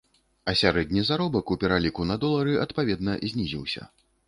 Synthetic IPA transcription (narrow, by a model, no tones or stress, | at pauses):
ɐsʲaɾɛd̪ʲnʲizaɾɔbɐkupʲɛɾalʲikunɐd̪ɔlˠɐɾɨʔɐt̪pavʲɛd̪nɐzʲnʲizʲḭwsʲɐ̰